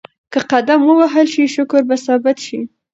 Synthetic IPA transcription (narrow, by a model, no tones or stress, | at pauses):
kəqad̪amwəwaɦəlʃiʃʊkʊɾbasɑbɪt̪ʃi